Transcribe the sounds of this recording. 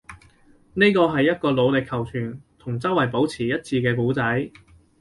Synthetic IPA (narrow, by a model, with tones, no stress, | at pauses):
ne˥jkɔː˧ɦɐ˨jːɐ˥t̚kɔː˧lo˨˧wlɪ˨kʰːɐ˨˩wt͡ʃʰyː˨˩nt̪ʰʊ˨˩ŋt͡sɐ˥wːɐ˨˩jp̬o˨˥wt͡sʰiː˨˩jɐ˥t̚t͡siː˧kɛː˧k̬uː˨˥t͡sɐ˨˥j